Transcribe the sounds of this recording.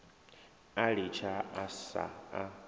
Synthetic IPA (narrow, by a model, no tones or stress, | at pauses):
aɺit͡ʃʰaasa̰a